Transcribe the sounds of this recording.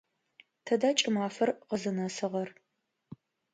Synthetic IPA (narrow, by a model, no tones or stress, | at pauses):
tʰɐdaːt͡ʃʼɪmaːfɐrqəzɐnɐsɨʁɐr